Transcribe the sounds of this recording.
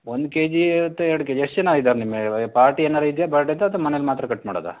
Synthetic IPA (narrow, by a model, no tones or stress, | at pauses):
ond̪ke̞ːd͡ʒiɾt̪ːeɛɾɽkeːd͡ʒeʂt͡ʃeːnaːɡid̪aːɾnimɡepaːɾʈieːnːaːɾɐid̪jaːpaːɾʈ̬iid̪eɐt̪ɐmɐneelmaːt̪ɾɐkɐʈːmaːɽoːd̪a̰